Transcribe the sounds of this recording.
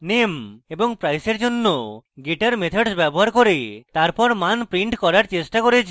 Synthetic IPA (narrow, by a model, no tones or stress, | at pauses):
nemebɔŋpɾajseɾd͡ʒonːoɡeʈaɾmet̪ʰɔɖsbɛbɔɦaɾkoɾet̪aɾpɔɾmanpɾiɳʈkɔɾaɾt͡ʃesʈakoɾit͡ʃʰi̥